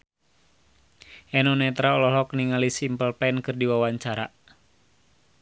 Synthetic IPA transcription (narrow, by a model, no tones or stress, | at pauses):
ʔɛnɔnɛt̪ɾaɔlɔlɔk̚niŋalisimpəlpɛnkɨrdiwawaɲt͡ʃaɾa